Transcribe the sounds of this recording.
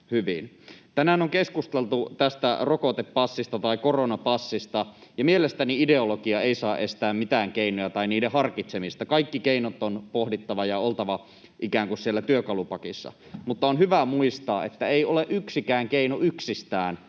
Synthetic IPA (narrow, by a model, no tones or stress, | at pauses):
hyʋḭn | t̪ænæːnoŋkeskust̪elt̪ut̪æst̪æ̰rokot̪epːɑsːist̪ɑt̪ɑikoronɑpɑsːist̪ɑjɑmielest̪æniide̞olokiɑeisɑːʔest̪æːmmit̪æːŋkeinojɑt̪ɑiniːdehɑrkit̪semist̪ɑkɑikːikeinot̪ːonpohdit̪ːɑʋɑjɑolt̪ɑʋɑ | ʔikæːŋkussielːæt̪yøkɑlupɑkisːɑ̰ | mut̪ːɑonhyʋæmuist̪ɑːet̪ːæeioleʔyksikæːŋkeinoʔyksist̪æːn